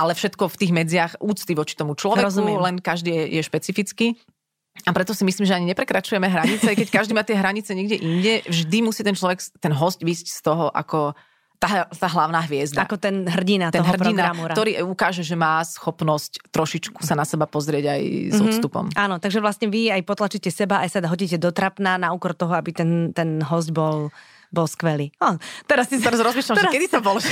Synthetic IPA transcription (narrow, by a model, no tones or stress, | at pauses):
alɛfʃɛt̪kɔft̪iːɣmɛd͡zɪaxuːt͡st̪iʋɔt͡ʃi̥t̪ɔmut͡ʃlɔʋɛɾkulɛnkaʒd̪iːjɛjɛʃpɛt͡sifit͡ski | apɾɛt̪ɔsimisliːmʒɛaɲiɲɛpɾɛkɾat͡ʃujɛmɛɦɾaɲit͡sɛakkɛckaʒd̪iːmaːt̪ɪɛɦɾaɲit͡sɛɲɛɡɟɛʔiɲɟɛvʒd̪imusiːt̪ɛnt͡ʃlɔʋɛkt̪ɛnɦɔscʋiːscst̪ɔɦɔʔa̰kɔ | t̪at̪aːɦlaʊnaːɦʋɪɛzd̪aakɔt̪ɛnɦr̩ɟinat̪ɔɦɦɔr̩pɾɔinɡ̪ɾaɾamuɾat̪ɔɾiːʔajukaːʒɛʒɛmaːsxɔpnɔsct̪ɾɔʃit͡ʃku̥sanasɛbapɔzɾɪɛɟa̰jzɔst̪upɔ̰mʔaːnɔt̪aɡʒɛʋlast̪ɲɛʋiɛajpɔt̪lat͡ʃicɛsɛbaajsaɦɔɟicɛd̪ɔt̪ɾapnaːnaukɔɾt̪ɔɦɔabit̪ɛnt̪ɛnɦɔzɟbɔl | bɔlskʋɛliːat̪ɛɾast̪ist̪ɛɾazɾɔzmiːʃlamɛakɛd̪it̪ɔbɔlɔ